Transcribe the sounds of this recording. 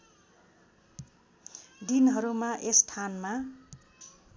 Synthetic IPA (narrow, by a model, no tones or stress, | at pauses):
dinɦʌɾumaʔesʈʰanma